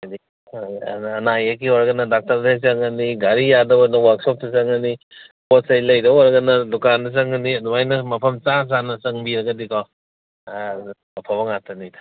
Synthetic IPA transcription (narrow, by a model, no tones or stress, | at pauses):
ajdi | ɐnajɐk̬iɔɾɐɡɐnɐdak̚tɐɾdɐsɐŋɐniɡaɾijadɐwɔnɐwaɾksɔp̚dɐsɐŋɐni | potsɐjlɐjdɐwɔɾɐɡɐnɐlukandɐs̬ɐŋɐniɐdumajnɐmɐpʰɐmt͡ʃas̬anɐsɐŋbiɾɐɡɐdikɔ | ɐpʰabɐŋatʰɐnijdɐ̥